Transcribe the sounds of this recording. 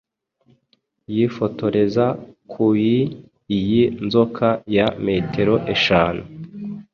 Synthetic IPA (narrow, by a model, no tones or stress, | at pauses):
jifo̞to̞ɾe̞zakʰuiː | jinzo̞kʰajame̞ːtʰe̞ɾo̞ʔe̞ʃaːna